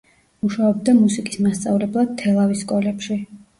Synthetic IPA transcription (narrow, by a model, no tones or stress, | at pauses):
muʃaɔbd̪amusikʼismast̪sʼavlɛblˠad̪̚t̪ʰːɛlˠaviskʼɔlɛpʃi